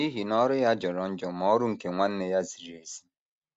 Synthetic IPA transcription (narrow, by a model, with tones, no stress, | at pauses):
i˦ɦi˨nɔ˦ɾʊ˦ja˦d͡ʒɔ˨ɾɔ˨n̩˦d͡ʒɔ˨m˨ɔ˦ɾʊ˦ŋ̩˨ke˨ŋʷa˦n̩˦ne˦ja˦zi˨ɾi˨e˨zi̥˦